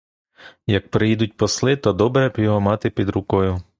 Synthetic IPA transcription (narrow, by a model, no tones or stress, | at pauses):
jɐk̚pɾɪjid̪ʊt̚ʲpɔslˠɪt̪ɔd̪ɔbɾɛjɔɦɔmɑt̪ɪpʲid̪ɾʊkɔjʊ